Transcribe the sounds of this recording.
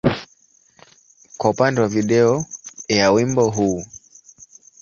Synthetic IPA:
kwaupandɛwaviɗɛɔjawimbɔɦuː

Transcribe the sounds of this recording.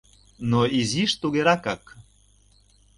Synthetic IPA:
noiziʃt̪uɣeɾɑkak

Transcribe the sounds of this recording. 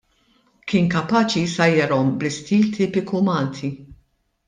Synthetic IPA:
kɪːnkɐpɐːt͡ʃisɐjɛɾɔmblɪst̪iːlt̪iːpɪkumɐːlt̪ʰi

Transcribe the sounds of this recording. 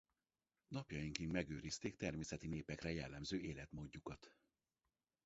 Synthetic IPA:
nɒpjɒjiŋkiŋmɛɡøːɾist̪eːkt̪ɛrmeːsɛt̪ineːpɛkrɛjɛlːɛmzøːʔeːlɛt̪moːɟːukɒt̪

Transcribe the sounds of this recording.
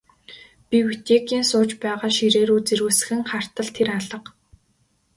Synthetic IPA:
piwet̪eːkiːnsʊːt͡ɕpæːʁaːʃiɾeːɾuːt͡seɾuːsɘ̥̆xɘ̆ŋχar̥t̪ə̆ɮt̪ʰeɾaɮə̆q

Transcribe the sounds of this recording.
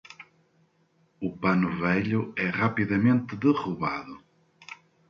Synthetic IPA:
ʊpanʊvɛʎʊɛʁapiðɐmẽnt̪ɪðɨʁuβaðʊ

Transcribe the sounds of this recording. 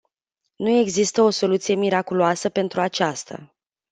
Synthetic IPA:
nue̞ɡzist̪əo̞so̞lut̪sije̞miɾakuloasəpe̞nt̪ɾuat͡ʃast̪a̰

